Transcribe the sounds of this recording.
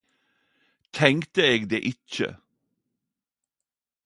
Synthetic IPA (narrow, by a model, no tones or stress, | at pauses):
t̪ʰɛŋt̪əeːɡd̪eːʔɪc͡çə̰